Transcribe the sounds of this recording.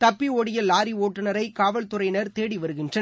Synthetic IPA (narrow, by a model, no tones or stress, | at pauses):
t̪ɐpːiɔɽɪjɐlaːɾioːʈːɯnɐɾɐɪkaːʋɐɭt̪ʊrɐɪnɐɾt̪eːɽiʋɐɾɯɣɪndrɐn